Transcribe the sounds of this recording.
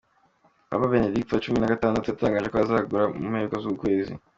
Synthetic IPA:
a̰βabe̞ne̞diktjat͡ʃuminaɡataːndatujataːŋɡaːʒe̞koazaːɡuɾamṵmheukozukukwe̞ːzḭ

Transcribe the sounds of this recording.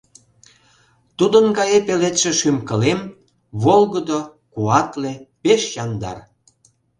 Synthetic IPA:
t̪ud̪ənɡɑjepelet̪ʃĕʃymkə̆lem | βolɣəd̪o | kuɑt̪lepeʃjɑnd̪ɑ̰r

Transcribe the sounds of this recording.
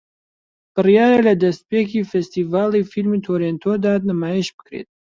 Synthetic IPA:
b̥ɨɾijaːjelɛd̪ɛst̪̚pekifɛst̪ivaːlifilmit̪ʰoːɾent̪ʰod̪aːt̪̚nəmajeʃbɨ̥kʰɾḛːt̪̚

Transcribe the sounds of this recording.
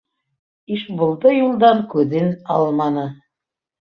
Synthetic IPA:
iʃbŏlˠd̪ɤjulˠd̪ɑŋkʉðɘnɑlˠmɑnɤ

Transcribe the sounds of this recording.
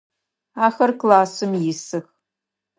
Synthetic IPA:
aːxɐrklaːsɨmjɪsɨx

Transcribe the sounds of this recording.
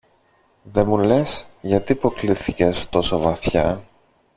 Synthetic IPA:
ðe̞mule̞sʝɐt̪ipo̞kliθice̞st̪o̞sovɐθçɐ

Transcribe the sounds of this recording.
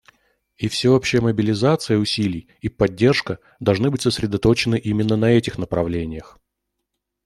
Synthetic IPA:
ifsʲɪo̞pɕːɪjəməbʲɪlʲɪzat̪sɨjəʊsʲilʲɪj | ipɐdʲːe̞rʂkə | d̪ɐlˠʐnɨbɨtʲsəsɾʲɪd̪ɐt̪o̞t͡ɕɪnɨʔimʲɪnːənɐɛtʲɪxnəpɾɐvlʲenʲɪjəx

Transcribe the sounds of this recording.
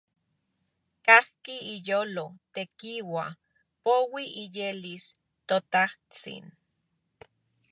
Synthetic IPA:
kahkiijoːlot̪ekiwa | powiʔijelis | t̪ot̪aht͡sḭn

